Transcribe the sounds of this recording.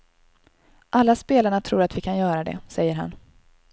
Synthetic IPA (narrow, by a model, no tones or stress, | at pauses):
ʔalːaspeːlaɳat̪ʰɾuːɾat̪vɪkʰanjœːɾad̪ɛ̰sɛjːəɾɦa̰n